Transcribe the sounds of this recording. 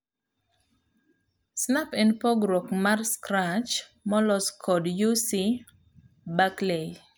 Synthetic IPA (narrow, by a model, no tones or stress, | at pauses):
snapɛnpɔɡɾɔkmarskɾat͡ʃmɔlɔskʰɔdjusi | baklej